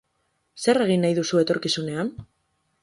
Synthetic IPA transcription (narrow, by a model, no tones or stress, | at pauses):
se̞ɾe̞ɣ̞inːajðusuet̪o̞ɾkisune̞an